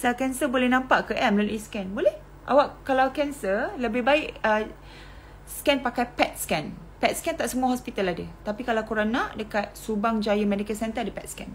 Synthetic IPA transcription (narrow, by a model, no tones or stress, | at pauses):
sakɛnsəbolɛhnãmpaʔkəʔɛmləluʔiskɛnbolɛh | ʔa̰waʔkːalawkɛnsərləbɪhbaɪʔə | skɛnpakajpɛt̪̚skɛnpɛt̪̚skɛnt̪aʔsəmũaɦɔspit̪aladət̪apikalawkuɾanaʔdəkat̪̚subaŋd͡ʒajəmɛ̃dikəlsɛnt̪ədipɛt̪skɛn